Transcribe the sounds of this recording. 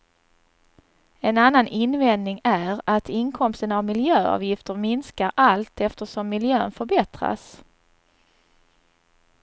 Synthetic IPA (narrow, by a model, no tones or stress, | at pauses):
ɛnanːanɪnvɛnd̪nɪŋæɾat̪ʰɪnkʰɔmst̪ənavmɪljøːɑ̰ːvjɪft̪əɾmɪnskaɾʔalt̪ʰɛft̪əʂɔmːɪljøːnfœɾbɛt̪ɾa̰s